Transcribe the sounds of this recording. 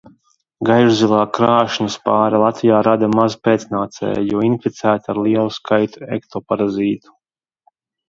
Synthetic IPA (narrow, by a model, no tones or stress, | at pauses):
ɡajʒzilˠɑːkɾaːʃnuspaːɾalˠat̪vijaːɾad̪amazpet̪snaːt̪sɛ̰jjɔinfʲit̪sæːt̪aɾliɛlˠuskʰajt̪uɛkt̪ʰɔːpaɾaziːt̪u̥